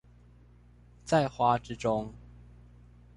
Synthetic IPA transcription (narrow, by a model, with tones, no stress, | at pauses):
t͡sa˥˨ɪxwa˦ʈ͡ʂɻ̩˥ʈ͡ʂʊ˥˦ŋ